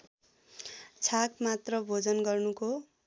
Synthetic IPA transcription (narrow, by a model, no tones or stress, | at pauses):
t͡sʰakmat̪rʌbʱod͡zʌnɡʌrnuko